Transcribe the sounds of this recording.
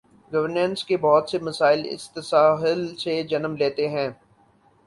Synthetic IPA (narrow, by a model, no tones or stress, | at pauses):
ɡɐʋəɾnə̃nskebɔːt̪semɐsaːɪlɪ̰st̪ɐsaːɦɪlsed͡ʒɐnəmleːt̪eɦɛ̃ː